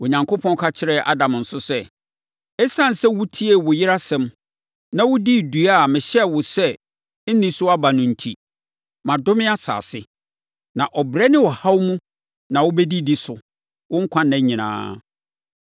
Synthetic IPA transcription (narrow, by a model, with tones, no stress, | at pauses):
wʊ˨ɲã˨ŋkʰo˦pʰɔ̃˦n˦kʰa˦t͡ɕʰɪ˦ɾɛ˨ʔa̰˦dã˨m˨n̩˨sʊ˦sɛ˦ | ɛ˦sã˦˨n̩˨sɛ˦wʊ˦tʰi˦e˦wʊ˨jɪ˦ɾa˦sɛ̃˦m | nã˨wʊ˦di˦˨du˨a˦˨mɪ̃˨ɕɛ˦wʊ˨sɛ˦ | n̩˦nĩ˦sʊ˦a˦ba˨nʊ̃˨n̩˨tʰi˨ | mã˨dʊ˦mɪ̃˦a˦sa̰ː˨sɪ˦ | nã˨ʔɔ˨bɾɛ˦nɪ̃˦wɔ˨ha˦wmũ˦ | nã˨wʊ˦bɛ˦di˦di˦sʊ˨ | wʊ̃˦ŋ̩˦kʷʰã˦nːæ̃˦ɲĩ˨nã̰ː˨˦